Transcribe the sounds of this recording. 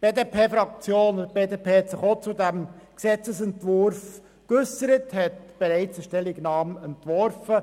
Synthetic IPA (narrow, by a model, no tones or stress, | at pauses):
b̥eːdepʰeːfɾɑk̚t͡sjoːnb̥eːdeːpʰeːhɛt̪sɪχot͡sudæmksɛt͡səsɛntʋʊɾf | kʉsəɾəthɛtb̥ɛɾɛɪt͡səʃtɛliɡnɑːmɛntʋɔɾfə